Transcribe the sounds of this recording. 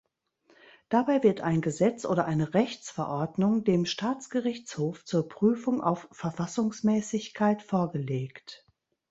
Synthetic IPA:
d̥abaɪvɪɐtaɪnɡəzɛt͡sʔoːɾɐʔaɪnəʁɛçt͡sfɛɐʔɔɐdnʊŋdeːmʃtʰaːt͡sɡ̥əʁɪçt͡shoːft͡suːɐpʁ̥yːfʊŋʔa̰ʊfːɛɐfasʊŋsmɛːsɪçkʰaɪtfoːɐɡəleːkt

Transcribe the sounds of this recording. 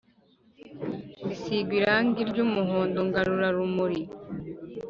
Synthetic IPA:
bisiɡiɾaːŋɡiɾd͡ʒumːɔɦɔnd̪ɔŋɡaɾuɾaɾumːoɾi

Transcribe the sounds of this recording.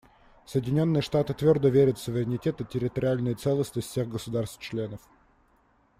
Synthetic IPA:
səjɪdʲɪnʲo̞nːɨjəʂt̪at̪ɨt̪vʲo̞rd̪əvʲeɾʲət̪fsʊvʲɪɾʲɪnʲɪtʲet̪ɨtʲɪɾʲɪt̪əɾʲɪalʲnəjət̪sɛlˠəsnəsʲtʲfsʲeɣɡəsʊd̪arst̪t͡ɕlʲe̞nəf

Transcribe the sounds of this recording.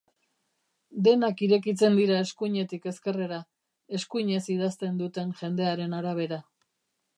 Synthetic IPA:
d̪e̞nakiɾe̞kit͡se̞nd̪iɾae̞skuɲe̞t̪ike̞ske̞re̞ɾa | e̞skuiɲe̞sið̞ast̪e̞nd̪ut̪e̞nʝe̞nd̪e̞aɾe̞naɾaβ̞e̞ɾa

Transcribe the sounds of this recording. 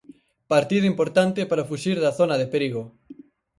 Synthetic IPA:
paɾt̪iðʊimpoɾt̪ant̪ɪpaɾafuʃiɾðɐθonɐðepeɾiɣo

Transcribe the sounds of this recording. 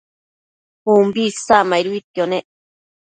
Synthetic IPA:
umbisamaiɾuit̪jone

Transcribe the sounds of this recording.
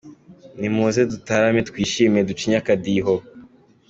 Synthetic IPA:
nimuzedutaɾametkwiːʃimiedut͡ʃiɲakadiɦo

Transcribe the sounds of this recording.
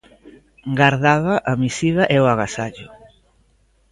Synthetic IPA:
ɡaɾðaðaʔamisiðɐʔɛʊaɣasaʎʊ

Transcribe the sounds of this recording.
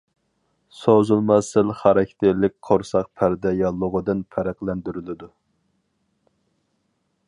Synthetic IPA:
sozulˠmɑsɪlχɑɾɑkʲt̪ʰɪɾlɪk̚ʲqʰoɾsɑq̚pʰæɾd̪ɛjɑlˠːʊʁəd̪ɨnpʰæɾæqlɛnd̪yɾylɪd̪u

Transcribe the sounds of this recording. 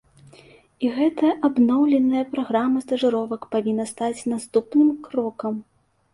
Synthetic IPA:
iɣɛt̪ɐjɐʔabnɔwlʲɛnːɐjɐpɾaɣɾamɐst̪ɐʐɨɾɔvɐkpavʲinːɐst̪at͡sʲnast̪upnɨmkɾɔkɐm

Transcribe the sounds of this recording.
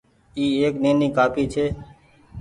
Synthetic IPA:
iːeːkneːniːkaːpʰiːt͡ʃʰeː

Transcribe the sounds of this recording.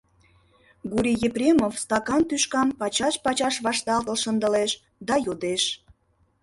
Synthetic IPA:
ɡuɾʲijeprʲemofst̪ɑkɑnt̪yʃkɑmpɑt͡ɕɑʃpɑt͡ɕɑʃβɑʃt̪ɑlt̪əlʃənd̪əleʃ | d̪ɑjod̪eʃ

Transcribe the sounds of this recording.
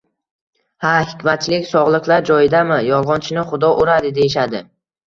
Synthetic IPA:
hahɪkʲmat̪̚t͡ʃʰɪlɪkʲsɒʁlˠɨqlˠaɾd͡ʒɒjɪd̪amɪjɒlˠʁɒnt͡ʃʰɪnɪχʊd̪ɒʔoɾad̪ɪd̪e̞jɪʃad̪ɪ

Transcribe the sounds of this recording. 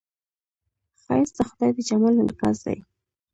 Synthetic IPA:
xɑjsd̪əxʊd̪ɑjd̪əd͡ʒamalaka̰zd̪a̰j

